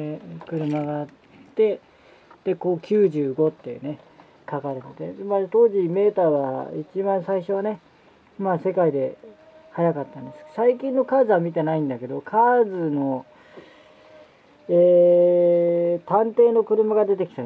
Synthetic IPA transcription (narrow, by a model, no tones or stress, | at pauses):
kɯ̟ɾɯ̟maɡaːttːe̞ | d̪̥e̞koːkʲʰɨːʑɨːɡo̞t̪ːe̞jɯ̟̰ne̞ | kakaɾet̪et̪emat̪o̞ːʑime̞ːt̪aːβa̰it͡ɕibãɰ̃saiɕo̞β̞ane̞ | maːse̞kaid̪e̞ | hajakat̪ːãnd̪e̞sɨ̥saikʲĩnːo̞kaːzɨβamʲit̪e̞naĩnd̪ake̞d̪o̞kʰaːzɨno̞ | eː | t̪ãnt̪e̞ːno̞kɯ̟ɾɯ̟maɡad̪e̞t̪e̞kʲi̥t̪a